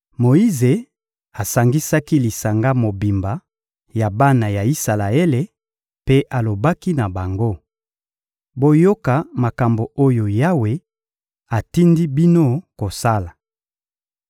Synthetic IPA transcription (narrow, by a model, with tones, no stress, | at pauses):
mo˨i˦ze˨ | a˨sa˨ŋɡi˦sa˦ki˦li˨sa˨ŋɡa˦mo˨bi˨mba˨ | ja˨ba˦na˨ja˨i˦sa˨la˨e˦le˨ | pe˦ʔa˨lo˨ba˦ki˦na˨ba˨ŋɡo˦ | bo˦jo˦ka˨ma˨ka˨mbo˨o˦jo˨ja˦we˨ | a˨ti˦ndi˦bi˦no˦ko˨sa˦la˨